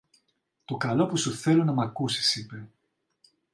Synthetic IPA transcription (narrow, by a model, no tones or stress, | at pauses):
t̪o̞kɐlo̞pusuθe̞lunɐmɐkusi̥sipe̞